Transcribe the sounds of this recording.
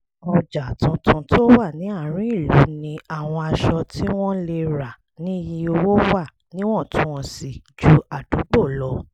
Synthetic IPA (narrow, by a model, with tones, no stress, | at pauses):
ɔ˧d͡ʒa˨tũ˧tũ˧tʰo˦wa˦˨nĩ˨˦a˦˨ɾ̃ĩ˦i˦˨lu˨˦nĩ˧a˦˨w̃ɔ̃˧a˧ʃɔ˧ti˦w̃ɔ̃˦le˧ɾa˨ | nĩ˨˦ji˧˦o˧wo˦wa˦˨ | nĩ˦w̃ɔ̃˦˨tũ˦ɔ̃˧˨si˨d͡ʒu˨˦a˨d̥u˨˦ɡ͡bo˦˨lɔ˧˦